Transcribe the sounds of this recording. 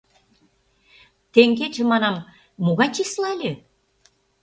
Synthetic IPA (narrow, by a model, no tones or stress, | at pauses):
t̪eŋɡet͡ɕĕmɑnɑmː | oɣɑt͡ɕislɑlʲe